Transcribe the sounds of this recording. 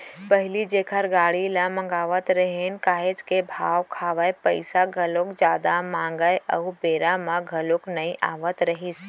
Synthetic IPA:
pəɦɪlid͡ʒeːkʰəɾɡaːɽilamɐ̃ŋɡaːʋət̪ɾɐɦeːnkaːɦet͡ʃkebʱaːʋkʰaːʋəjpəɪsaɡʱɐlokd͡ʒjaːd̪amãːŋɡəjʔɐʊbeːɾamãɡʱɐloknɐĩʔa̰ːʋət̪ɾɐɦis

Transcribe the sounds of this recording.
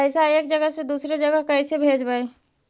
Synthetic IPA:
ɛɪsaeːkd͡ʒəɡəsed̪uːsɾed͡ʒəɡəkɛɪsebʱeːd͡ʒbae

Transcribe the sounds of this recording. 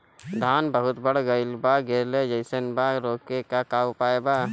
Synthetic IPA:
d̪ʱaːnbəɦʊt̪bəɽɡəɪlbaɡeːled͡ʒəɪsənbaɾoːkekakaːwpaːebaː

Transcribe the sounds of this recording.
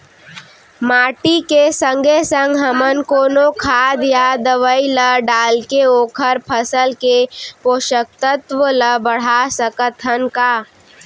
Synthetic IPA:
maːʈikesə̃ŋɡʱesə̃ŋɡɦɐmənkoːnokʰaːd̪jad̪əʋəiləɖaːlkeoːkʰəɾpʰəsəlkepoːʃək̚t̪ət̪ʋələbəɽ̤asəkət̪ʰənkaː

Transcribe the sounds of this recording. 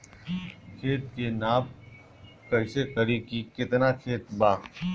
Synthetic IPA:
kʰeːt̪kenaːb | kɐɪsekəɾikikɪt̪nakʰeːt̪baː

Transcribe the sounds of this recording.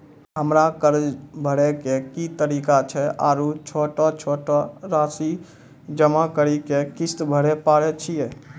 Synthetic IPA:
ɦəmɾakəɾd͡ʒbʱəɽekekit̪əɾiːkat͡ʃʰɛa̰ːɾut͡ʃʰoːʈɔt͡ʃʰoːʈɔɾaːsi | d͡ʒəmakəɾikekɪst̪bʱəɽɛpaːɽɛt͡ʃʰijɛ

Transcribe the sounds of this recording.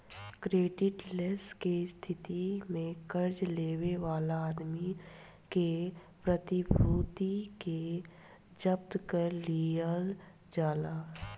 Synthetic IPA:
kɾeːɖɪʈleskest̪ʰɪt̪imẽkəɾd͡ʒleːweʋaːlaːd̪mi | ke | pɾət̪ɪbʱuːt̪ike | d͡ʒəb̚t̪kəɾːiəl | d͡ʒaːlaː

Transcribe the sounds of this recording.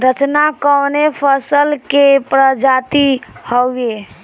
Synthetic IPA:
ɾət͡ʃnakəwnepʰəsəlkepɾəd͡ʒat̪ihəwe

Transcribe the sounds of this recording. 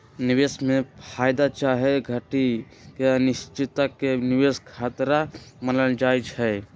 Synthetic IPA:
nɪʋeːsmẽpʰaːjd̪at͡ʃaːɦɛɡʱəʈi | kenɪst͡ʃɪt̪əkenɪʋeːskʰaːt̪ɾamənəld͡ʒaːjt͡ʃɦɛː

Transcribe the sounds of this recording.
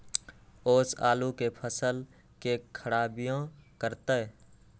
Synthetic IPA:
oːsa̰ːlukepʰəsəl | kekʰəɽaːbijõkəɾt̪ə

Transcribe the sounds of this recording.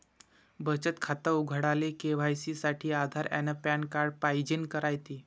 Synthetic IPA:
bət͡ɕət̪kʰat̪əuɡʱəɽalekeʋ̤ajsisaʈʰiːad̪ʱaɾɛ̰nəpɛɳkaɾɖpajd͡ʑenkəɾajt̪i

